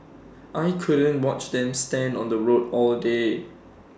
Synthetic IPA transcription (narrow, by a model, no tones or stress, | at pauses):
ʔajkʰudə̃nwɔt͡ʃdɛ̃mstɛ̃ndɔ̃ndəɹotɔlde